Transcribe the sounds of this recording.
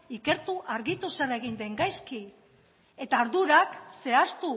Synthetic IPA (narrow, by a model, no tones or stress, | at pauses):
ike̞ɾt̪uʔaɾɣit̪usere̞ɣ̞ind̪e̞ŋɡajski | e̞t̪aɾðuɾakse̞ast̪u